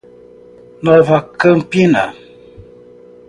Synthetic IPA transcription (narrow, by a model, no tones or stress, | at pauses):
nɔvakəm̩pina̰